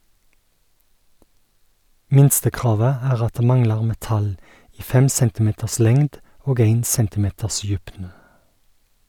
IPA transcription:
ˈmɪnstəˌkʁɑːʋə ˈæːʁ ˈɑt ˈdeː ˈmɑŋlɑʁ mɛˈtɑl ˈiː ˈfɛm ˈsɛntɪˌmeːtəs ˈlɛŋd ˈoːɡ ˈeɪn ˈsɛntɪˌmeːtəs ˈjʉpnə

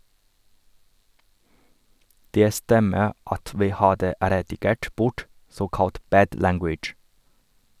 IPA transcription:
ˈdeː ˈstɛmə ˈɑt ˈʋiː ˈhɑːdə ɾɛdɪˈɡeːʈ ˈbʊʈ ˈsoːkɑlt ˈbæːd ˈlæŋɡwɪd͡ʒ

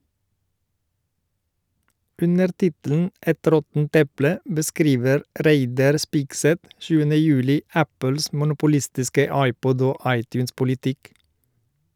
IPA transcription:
ˈʔʉnəɾ ˈtɪtəln̩ ˈɛt ˈɾɔtn̩t ˈɛplə bəˈskɾiːʋəɾ ˈɾæɪdɑɾ ˈspɪɡˌsɛt ˈʃʉːənə ˈjʉːlɪ ˈæpəls mʊnʊpʊˈlɪstɪskə ˈɑɪˌpɔd ˈoː ˈɑɪˌtjʉːnspʊlɪˌtɪk

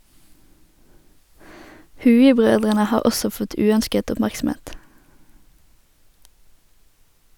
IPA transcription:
ˈhʉːɪˌbʁøːdʁənə ˈhɑːʁ ˈɔsɔ ˈfɔt ˈʉːœnskət ʊpˈmæʁksm̩ˌeːt

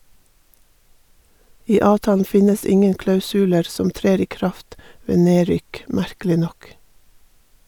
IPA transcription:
ˈiː ˈɑːʋtɑːln̩ ˈfɪnəs ˈɪŋən klɑʉsʉˈleːɾ ˈsɔm ˈtɾeːɾ ˈiː ˈkɾɑft ˈʋeː ˈneːˌɾʏk ˈmæɾkəlɪ ˈnɔk

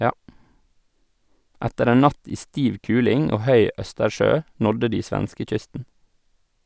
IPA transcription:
ˈætəɾ ˈeːn ˈnɑt ˈiː ˈstiːʋ ˈkʉːlɪŋ ˈoː ˈhœʏ ˈʔœstəˌʃøː ˈnɔdə ˈdiː ˈsʋænskəˌc͡çʏstn̩

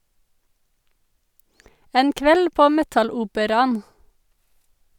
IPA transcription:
ˈeːn ˈkʋɛl ˈpoː ˈmɛtɑˌluːpəɾɑn

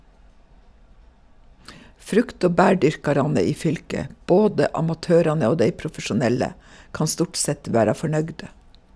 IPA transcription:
ˈfɾʉkt ˈoː ˈbæːˌɖʏɾkɑɾɑnə ˈiː ˈfʏlkə ˈboːdə ˈɑmɑtøːɾɑnə ˈoː ˈdeɪ pɾʊfəʃʊˈnɛlə ˈkɑn ˈstʊʈ ˈsɛt ˈʋæːɾɑ fɔˈɳœɡdə

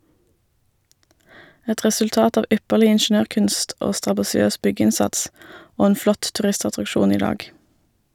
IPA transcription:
ˈɛt ʁɛsʉlˈtɑːt ˈɑːʋ ˈʔʏpəʁlɪ ɪnˈʃɳøːʁˌkʉnst ˈoː stʁɑbɑsɪˈøːs ˈbʏˌɡɪnsɑts ˈoː ˈeːn ˈflɔt tʉˈʁɪstɑtʁɑkˌʃuːn ˈiː ˈdɑːɡ

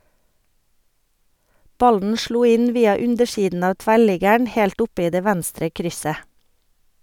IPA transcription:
ˈbɑln̩ ˈʃluː ˈɪn ˈʋiːɑ ˈʉndəˌʃiːdn ˈɑː ˈtʋæˌɭɪɡəɳ ˈhɛlt ˈʊp ˈiː ˈdeː ˈʋænstɾə ˈkɾʏsə

